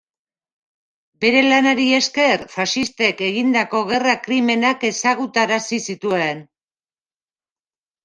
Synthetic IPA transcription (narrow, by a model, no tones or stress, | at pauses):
be̞ɾe̞lanaɾie̞ske̞rfaʃist̪e̞ke̞ɣind̪ako̞ɣ̞e̞rakɾime̞nake̞saɣut̪aɾasisit̪ue̞n